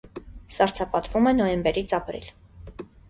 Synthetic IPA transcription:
sɑɾt͡sʰɑpɑt̪vumɛnɔjɛmbɛɾit͡sʰɑpɾḭl

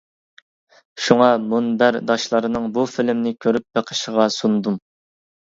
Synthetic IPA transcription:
ʃuŋɑmunbæɾd̪ɑʃlˠɑɾɨnɨŋbufilɪmnɪkʲʰøɾyp̚beqʰə̥ʃəʁɑsund̪um

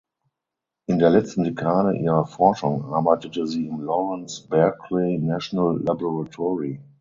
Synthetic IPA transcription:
ʔɪ̃ndeːɐlɛt͡stn̩dekʰaːɾə̰ʔḭːʁɐfɔɐʃʊ̃ŋʔaɐbaɪtətəziːɪ̃nlɔɹə̃nsb̥ɛɐkʰleɪnaʃonəlːabɔʁatʰɔɹi

